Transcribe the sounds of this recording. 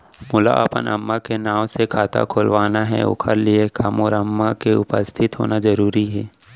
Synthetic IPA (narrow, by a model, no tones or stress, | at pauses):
mʊla̰ʔəpə̰nɐ̰mːakenaːwsekʰaːt̪a̰kʰoːlʋaːnaɦɛ̰ʊ̰kʰəɾliekamɔːɾəmːakeʊpəst̪ʰɪt̪ɦo̰ːnazɐɾuːɾiɦɛː